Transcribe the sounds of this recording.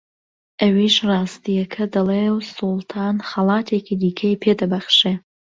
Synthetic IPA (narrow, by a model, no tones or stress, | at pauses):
ʔɐwiʃrɑːst̪ijɐkʰɐd̪ɐlewsulˠt̪ʰɑːnxɐlˠɑːt̪ʰeːkʰid̪iːkʰɐjpʰed̪ɐbɐχʃe